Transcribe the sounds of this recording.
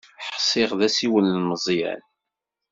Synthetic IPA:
ħə̥sˤɪʁðæsiwənlməzˤjæ̰n

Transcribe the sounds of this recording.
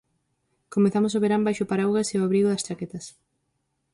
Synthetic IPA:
komeθamʊs̬oβeɾambajʃʊpaɾawɣɐseoaβɾiɣoðɐst͡ʃaket̪ɐs

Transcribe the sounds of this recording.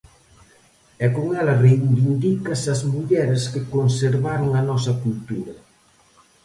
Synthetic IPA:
ɛkoŋɛlɐrejbind̪ikɐsɐzmuʎɛɾɪskɪkonseɾβaɾoŋɐnɔsɐkult̪uɾɐ

